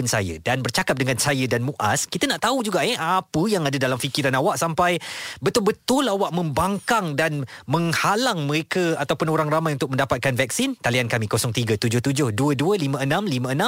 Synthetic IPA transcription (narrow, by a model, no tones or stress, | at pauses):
ʊnsa̰jə̰danbərt͡ʃakap̚dəŋãnsajədanmuʔa̰skit̪ənaʔt̪aud͡ʒuɡaʔeapəjaŋadədalamfikiɾanawaʔsampajbət̪ʊlbət̪ʊlawaʔmə̃mbaŋkaŋdanmə̃ŋhalaŋmə̃ɾekəat̪awpʊnoɾaŋramajunt̪ʊk̚mə̃ndapat̪̚kanvɛk̚sint̪aliankamikosɔŋt̪iɡət̪ud͡ʒʊht̪ud͡ʒʊhduəduəlimə̃ənãmlimə̃ənã